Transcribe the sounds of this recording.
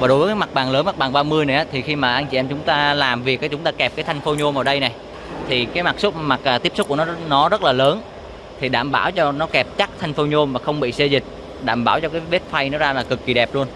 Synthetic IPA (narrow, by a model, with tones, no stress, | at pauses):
vaː˨˩ɗo˨˦vːkːaː˨˦jma˨˩k̚ɓaː˨˩ŋləː˨˦nma˨˩ɓaː˨˩ɓaː˧mɨ˧əjna˨˩ʔaː˨˦t̪ʰi˨˩xi˧maː˨˩ʔaː˧ŋt͡ɕi˨ʔɛ˧mt͡ɕʊ˨˦ŋ͡mt̪aː˧laː˨˩mvi˨˩ək̚aː˨˩t͡ɕʊ˨˦ŋ͡mt̪aː˧kɛ˨˩p̚kaː˨˦jt̪ʰjŋ̟fo˨˦ɲo˧mʔəː˧˩ɗə˧jna˨˩j | t̪ʰi˨˩kaː˨˦jma˨˩k̚sʊ˦˥k͡p̚ma˨˩k̚aː˨˩t̪i˦˥p̚sʊ˦˥k͡p̚ku˧˩ənɔ˨˦nɔ˨˦zə˦˥t̚laː˨˩ləː˨˦n | t̪ʰi˨˩ɗa̰ː˧˩mɓa̰ː˧˩wt͡ɕɔ˧nɔ˨˦kɛ˨˩p̚t͡ɕa˦˥k̚t̪ʰa˧jŋ̟fo˨˧˦ɲo˧mmaː˨˩xə˧wŋ͡mɓḭ˧˨se˧zï˨˩k̟̚ | ɗa̰ː˧˩mɓaː˧˩wt͡ɕɔ˧kaː˨˦jve˦˥t̚fa˧jnɔ˨˦zaː˧laː˨˩kɨ˨˩kːi˨˩ɗɛ˨˩p̚lu˧ən